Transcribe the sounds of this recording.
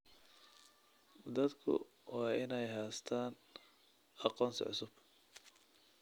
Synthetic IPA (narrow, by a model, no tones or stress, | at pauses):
d̪ɐd̪kʰʊ̰ | wɑːʔɪnɛjɦaːst̪ʰaːn | ʔɑqɔːnsɔ̰ʕʊsʊb̥